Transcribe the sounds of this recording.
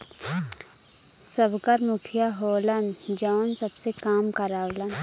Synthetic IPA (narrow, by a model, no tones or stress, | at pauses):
səbkəɾmʊkʰjaɦoːlənd͡ʒaːnsɐbsekaːmkɐɾaːʋlən